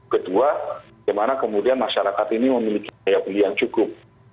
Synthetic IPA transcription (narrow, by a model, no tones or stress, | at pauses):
kədua | amanakəmudianmaʃaɾakat̪iniməmilikiajabuliant͡ʃukʊp̚